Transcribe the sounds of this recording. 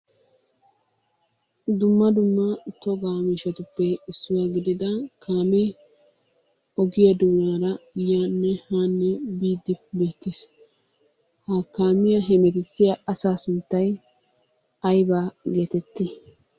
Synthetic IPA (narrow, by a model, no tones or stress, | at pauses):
d̪ʊmːɐd̪ʊmːɐt̪ɔɡaːmiːʃɛt̪ʊpːɛɪsːʊwaːɡɪd̪ɪd̪ɐkʰaːme | ɔɡɪjɐd̪uːnaːɾɐjaːnːɛhaːnːɛbiːd̪ːɪbe̞ːt̪ːes | hɐkaːmɪjɐɦɛmɛt̪ɪsːɪjɐɐsaːsʊnt̪ːɐj | ɐjbaːɡe̞ːt̪ɛt̪ːɪ